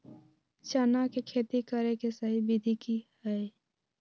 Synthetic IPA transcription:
t͡ʃənakekʰeːt̪ikəɾekesəɦibɪd̪ʱikihɛe

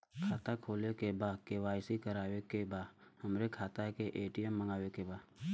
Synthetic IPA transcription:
kʰaːt̪akʰoːlekebaːd̪kewaːjsikəɾaːwekebaːdhəmɾekʰaːt̪akeʔeːʈijəmːəŋɡaːwekebaːd̪

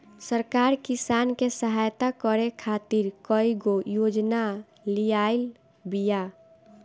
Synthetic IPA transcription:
səɾkaːɾkisaːnkesəɦajt̪akəɾekʰat̪iɾkɔiɡojoːd͡ʒna | lijail | bija

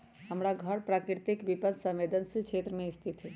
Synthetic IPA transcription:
ɦəmɾaɡʱəɽpɾaːkɾɪɾt̪ikbipənsə̃mʋeːd̪ənsikʰeːt̪ɾəmẽɪst̪ʰit̪ɦɛ

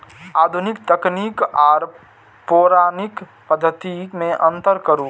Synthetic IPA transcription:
aːd̪ʱunikt̪əknikɔːɾ | poɾaːnik | pəd̪ʱːət̪imẽʔə̃nt̪əɾkəɾu

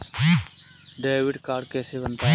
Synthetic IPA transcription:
ɖeːʋɪɖkaːɾɖkɛːsebənt̪aː

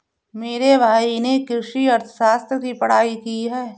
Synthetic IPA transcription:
meːɾebʱaːinekɾɪʃiɐɾt̪ʰəʃaːst̪ɾəkipɐɽ̤aːikiɦɛː

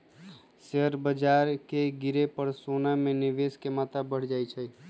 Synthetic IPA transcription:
seɦəɾbəd͡ʒaːɾkeɡɪɾepəɾsonamẽnɪʋeskemat̪abəɽ̤d͡ʒajt͡ʃʰɛ

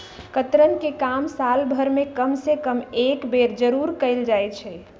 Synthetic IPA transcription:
kət̪ɾənkekamsalbʱəɾmekəmsekəmekbeɾd͡ʒəɾuɾkəɪld͡ʒajt͡ʃʰɛ

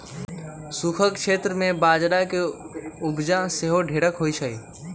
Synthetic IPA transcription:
sukʰəkʃʰeːt̪ɾəmẽbaːd͡ʒɾake | ʊbd͡ʒãseɦoɖʱeːɽəkɦoːit͡ʃʰəiː

